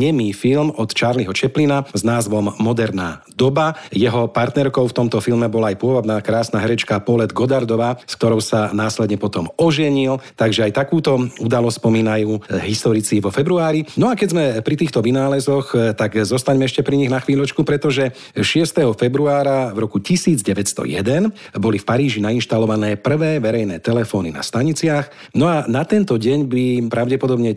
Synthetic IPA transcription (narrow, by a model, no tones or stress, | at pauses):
ɲɛmiːfilmɔt̪t͡ʃaːɾliɦɔt͡ʃɛplinaznaːzʋɔmːɔd̪ɛɾna̰ː | d̪ɔbajɛɦɔpaɾt̪nɛɾkɔʊft̪ɔmt̪ɔfilmɛbɔlaajpʊɔʋɔd̪nakɾaːsnaɦɛɾɛt͡ʃkapɔlɛd̪ɡɔd̪aɾd̪ɔʋaːsk̚t̪ɔɾɔʊsanaːslɛd̪ɲɛpɔt̪ɔmɔʒɛɲilt̪aɡʒɛajt̪akuːt̪ɔud̪alɔstspɔmiːnajuːɦist̪ɔɾit͡siʋɔfɛbɾuaːɾinɔakɛzmɛpɾit̪iːxt̪ɔʋinaːlɛzɔxt̪aɡzɔst̪aɲmɛɛʃcɛpɾiɲiɣnaxʋiːʎɔt͡ʃkupɾɛt̪ɔʒɛ | ʃɪɛst̪ɛɦɔfɛbɾuaːɾavɾɔkucisiːd͡zɟɛʋɛcst̪ɔ̰jɛ̰d̪ɛn | bɔlifpaɾiːʒinainʃt̪alɔʋanɛːpr̩ʋɛːʋɛɾɛjnɛːt̪ɛlɛfɔːnina̰st̪aɲit͡sɪax | nɔanat̪ɛnt̪ɔɟɛɲbipɾaʊɟɛpɔd̪ɔbɲɛ